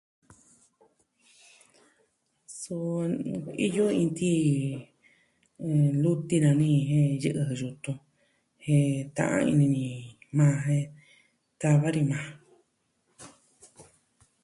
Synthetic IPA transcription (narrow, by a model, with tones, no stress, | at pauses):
su˧ | ḭ˦jo˦ĩ˧nt̪i˦˧ | lu˦t̪i˦˧nã˧nĩ˦˧ɦẽ˦jɨ˦ʔɨ˧ɦɨ˧ju˧t̪ũ˧ | hẽ˧t̪ã̰˧ʔã̰˧ḭ˧nĩ˧nĩ˧˨mãː˦˧ɦẽ˦˧ | t̪a˧βa˦ɾi˧mã˨˧